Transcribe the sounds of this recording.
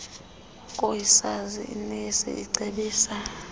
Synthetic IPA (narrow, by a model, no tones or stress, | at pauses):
kʼojisazḭinisḭiǀʱeɓiːsa